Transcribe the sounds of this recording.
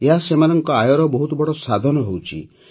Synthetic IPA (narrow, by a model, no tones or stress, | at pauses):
eɦasemanɔŋkɔajɔɾɔbɔɦut̪ɔbɔɽɔsad̪ʱɔnɔɦowt͡ʃʰḭ